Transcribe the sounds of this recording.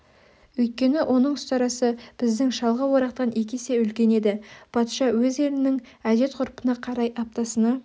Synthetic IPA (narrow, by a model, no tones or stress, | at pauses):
wɵjt̪̚kʲe̞nɪʔo̞nəɴʏst̪ɑɾɑsəb̥ɪzd̪ɪŋʃɑlˠʁɑwo̞ɾɑqt̪ɑne̞kʲese̞ʏlkʲe̞ne̞d̪ɪb̥ʰɑt̪ʃɑwɵze̞lɪnɪŋ | æd̪e̞t̪qʰʊɾpənɑqʰɑɾɑjʔɑp̚t̪ɑsənɑ